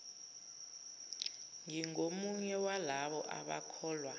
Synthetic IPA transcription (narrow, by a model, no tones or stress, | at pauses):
ŋiŋomuɲɛwalaɓɔʔa̰ɓa̰kʰɔːlwa